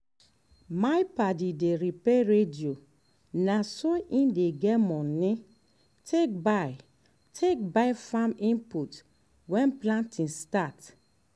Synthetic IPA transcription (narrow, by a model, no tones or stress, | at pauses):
majpadideɾipɛɾedio | nasoʔĩndeɡɛmɔ̃nĩ | tʰek̚baj | tʰek̚bafamĩmput | wɛ̃nplãntĩnstat